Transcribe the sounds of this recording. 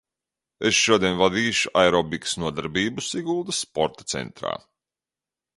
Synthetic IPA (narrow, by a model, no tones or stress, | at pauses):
esʃuɔd̪iɛnvad̪iːʃuʔajɾɔbiksnuɔd̪aɾbiːbusiɡulˠd̪ɐsːpɔɾt̪ḁt̪sɛ̰nt̪ɾa̰ː